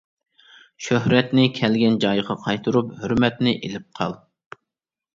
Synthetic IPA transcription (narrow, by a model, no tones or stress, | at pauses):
ʃøhɾɛt̪nɪkʲʰɛlɡʲɛnd͡ʒɑjʁɑqʰɑjt̪ʰuɾuphøɾmɛt̪nɪʔelɪp̚qʰɑ̰lˠ